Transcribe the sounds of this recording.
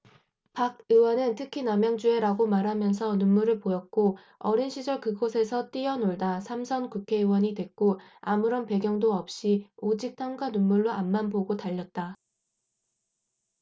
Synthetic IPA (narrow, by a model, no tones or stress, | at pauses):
paɡ̚ɯwʌnɯntʰɯkʰinamjaŋd͡ʑue̞ɾaɡomaɾɦamjʌnsʰʌnunmuɾɯɭpojʌt̚k͈o | ʌɾinɕʰid͡ʑʌɭkɯɡosʰe̞sʰʌt͈iʌnoɭdasʰamsʰʌnkukʰe̞ɯwʌɲidwe̞k̚k͈oamuɾʌnpe̞ɡjʌŋdoʌp̚ɕ͈iod͡ʑik̚t͈ʰaŋɡwanunmuɭːoʔanmanboɡotaʎːʌt̚t͈a